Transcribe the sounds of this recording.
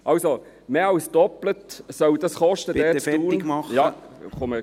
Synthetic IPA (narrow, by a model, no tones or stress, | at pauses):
ʔɑwso | meːɑwsd̥ɔplətsœwd̥̪ɑsχɔʃtəd̥̪ɛːt͡suːnjɑːχomə